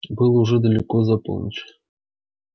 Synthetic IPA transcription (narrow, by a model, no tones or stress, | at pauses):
bɨlˠuʐɛd̪əlʲɪkozɑpo̰lˠnʲət͡ɕ